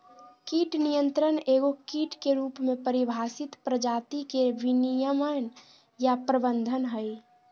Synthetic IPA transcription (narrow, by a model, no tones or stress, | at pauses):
kiʈnijənt̪ɾəneːɡokiʈkeɾuːpmẽpəɾibʱasɪt̪pɾəd͡ʒaːt̪ikebinijəmən | japɾəbənd̪ʱənɦəj